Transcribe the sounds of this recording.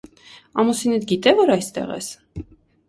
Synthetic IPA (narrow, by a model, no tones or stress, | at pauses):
ɑmusinɛd̪ɡit̪ɛvɔɾɑjst̪ɛ̰ʁɛ̰s